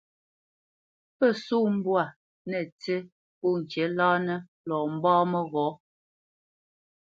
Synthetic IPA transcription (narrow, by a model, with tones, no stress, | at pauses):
pə˦˨suː˦m̩˦bwa˨ | nɛ˨te˦ | u˦ŋ̩˨kɛ˨˦laː˦nə˦ | lɔ˨m̩˦bɔː˦mə˦ɣɔ˨˦